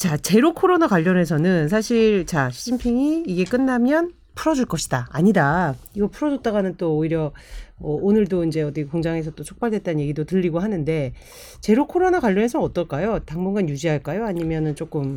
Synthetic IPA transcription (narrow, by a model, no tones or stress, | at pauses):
t͡ɕat͡ɕe̞ɾokʰoɾonakwaʎːʌne̞s̬ʰʌnɯns̬ʰaɕʰiɭt͡ɕaɕʰid͡ʑimpʰiŋiːɡe̞k͈ɯnːamjʌn | pʰɯuɾʌd͡ʑuɭk͈ʌɕʰi̥d̥aa̰ɲidaiɡʌpʰuɾʌd͡ʑʌt͈aɡanɯnt͈oːiɾjʌʌːnɯɭdoind͡ʑe̞ʌdikoŋd͡ʑaŋe̞sʰʌt͈ot͡ɕʰok̚p͈aɭdwe̞t̚t͈annɲje̞ɡidotɯʎːiɡoɦanɯnde̞ | t͡ɕe̞ɾokʰoɾonakwaʎːʌne̞sʰʌʌt͈ʌɭk͈ajotaŋbunɡanjud͡ʑiɦaɭk͈ajoaɲimjʌnɯnt͡ɕ͈ok͈ɯm